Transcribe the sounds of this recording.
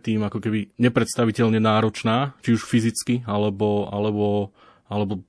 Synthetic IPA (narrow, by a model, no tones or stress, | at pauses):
t̪iːmakɔkɛbiɲɛpɾɛt̪st̪aʋicɛʎɲɛnaːɾɔt͡ʃnaːt͡ʃiuʃfizit͡skialɛbɔa̰lɛbɔ | alɛbɔ